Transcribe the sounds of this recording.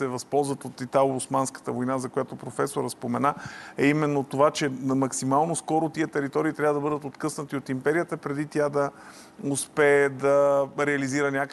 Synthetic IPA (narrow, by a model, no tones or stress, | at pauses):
ɛvɐspɔlˠzvət̪ot̪it̪aoʊsmanskə̥t̪əvojnazɐkojat̪opɾofɛsoɾəspomɛnaɛimɛnːot̪ovat͡ʃɛmɐksimalˠnoskɔɾot̪iət̪ɛɾit̪ɔɾiːt̪ɾʲavəd̪ɐbɤd̪ət̪ot̪kɤsnət̪iot̪impɛɾiət̪əpɾɛd̪it̪jad̪ɐ | ʊspɛːd̪ɐɾɛɐliziɾənʲakə